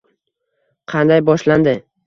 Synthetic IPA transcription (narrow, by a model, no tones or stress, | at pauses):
qʰɑnd̪ajbɒʃland̪ɪ